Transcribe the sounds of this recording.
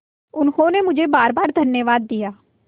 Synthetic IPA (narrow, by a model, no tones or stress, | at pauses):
ʊnhoːneːmʊd͡ʒʱeːbaːɾbaːɾd̪ʱənjəʋaːd̪̚ːɪjaː